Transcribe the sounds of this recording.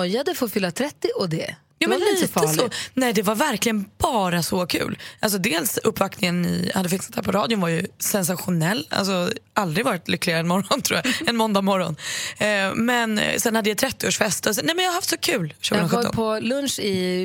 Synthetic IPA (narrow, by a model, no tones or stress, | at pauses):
ɔjad̪əfoːfʏlːat̪ʰɾɛt̪ːɪʔɔd̪ɛ | jaːmɛnliːt̪əsɔnɛɪd̪ɛvaɾvæɾklɪɡənbɑːɾasɔkʰʉ̰ːlʔals̬ɔd̪eːlsɵpːvaknɪŋənːɪ̰ha̰d̪ːəfɪksat̪hæːɾpʰɔɾɑːd̪jʊnvaɾjɵsɛns̬aɧʊnɛlːa̰ls̬ɔʔald̪ɾɪvɑːɾɪt̪lʏkːlɪɡaɾəɛnmɔɾɔnt̪ʰɾṵːjaɛnmɔnd̪amɔɾːɔ̰n | mɛnsɛnhad̪ːəjat̪ʰɾɛt̪ːɪoːʂfɛst̪ɔsɛnɛmɛnjahahaft̪sɔkʰʉ̟ːlʃʉːɡɡnɾɔɔ̰pʰɔlɵnʂɪ